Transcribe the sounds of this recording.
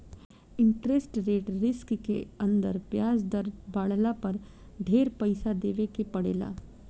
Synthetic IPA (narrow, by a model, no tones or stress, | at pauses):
ɪ̃ɳʈɾesʈɾeːʈɾɪskkḛɐ̃nd̪ə̰ɾpjaːd͡ʒd̪ɐɾbaːɽlapɐɾ | ɖ̪ʱeːɾpɐɪsad̪eːʋekepɐɽḛːla̰ː